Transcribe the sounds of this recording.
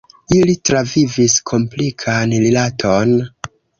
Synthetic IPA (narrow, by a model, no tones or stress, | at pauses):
ilitɾaviviskʰo̞mplikʰanlilatʰo̞n